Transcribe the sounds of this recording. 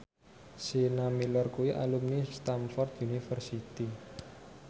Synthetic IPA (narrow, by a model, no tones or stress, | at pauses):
sinamilɔrkuiʔa̰lumnist̪amfɔrt̪̚unifərsit̪i